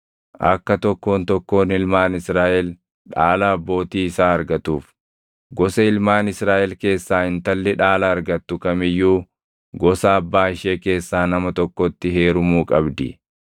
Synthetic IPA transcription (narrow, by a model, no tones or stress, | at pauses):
ʔɐ̰kːɐt̪ɔkːo̞ːnt̪ɔkːo̞ːnɪlmaːnɪsɾaːʔɛl | ᶑaːlɐːbːo̞ːt̪iːɪsaːɐɾɡɐt̪uːf | ɡɔsɐɪlmaːnɪsɾaːʔɛlke̞ːsːaːhɪnt̪ɐlːɛᶑaːlɐːɾɡɐt̪ːʊkɐmɪjːuː | ɡɔsɐːbːaːɪʃeːke̞ːsːaːnɐmɐt̪ɔkːɔt̪ːɪɦeːɾʊmuːkʼɐbd̪ɪ̰